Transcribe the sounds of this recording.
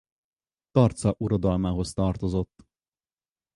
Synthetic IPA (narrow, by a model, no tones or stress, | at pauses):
t̪ɒrt̪sɒʔuɾod̪ɒlmaːɦo̞st̪ɒrt̪o̞zo̞t̪ː